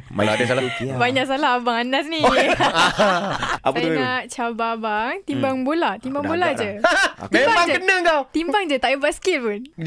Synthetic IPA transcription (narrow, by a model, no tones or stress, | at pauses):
ma̰laadasalakbaɲaʔsalaɦabaŋanat̪̚ni | apət̪unaʔt͡ʃababaŋt̪imbaŋbolat̪imbaŋbolad͡ʒət̪imbaŋd͡ʒəkənəŋt̪at̪imbaŋd͡ʒət̪aʔjəbaʔskit̪̚pun